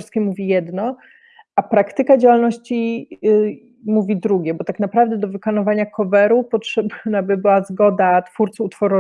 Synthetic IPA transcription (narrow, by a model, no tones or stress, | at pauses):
ɾskʲɛmuvʲijɛd̪nɔ | ʔapɾakt̪ɘkad͡ʑawalnɔɕt͡ɕi | muvʲid̪ɾuɡʲjɛbɔt̪aknapɾavd̪ɛd̪ɔvɘkanɔvaɲakʰɔvɛɾupɔtʂɛbnabɘbɘwazɡɔd̪at̪fuɾt̪suut̪fɔɾɔ